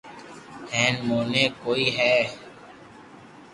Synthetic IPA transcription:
hɛ̃ːnmoːnẽːkoːiːɦɛː

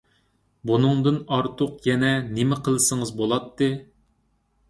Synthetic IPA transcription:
bunɨŋd̪ɨnɑɾt̪ʰʊqjɛnɛnɪmɪqʰəlˠɨsəŋəzbolˠɑt̪ːɨ

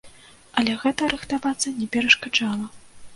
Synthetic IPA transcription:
ɐlʲɛɣɛt̪ɐɾɨxt̪avat̪sːɐnʲɛpʲɛɾɐʂkad͡ʐalˠɐ

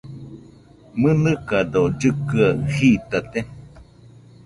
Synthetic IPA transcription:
mɨnɨkadod͡ʒɨkɨahit̪at̪e

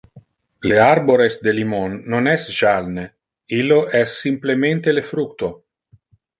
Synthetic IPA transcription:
learboɾesd̪elimonːonɛsʒalne | ilːoʔɛsːimplement̪elefɾukt̪o

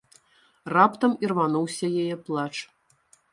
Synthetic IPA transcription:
rapt̪ɐmirvanuwsʲɐjajɛplˠat͡ʂ

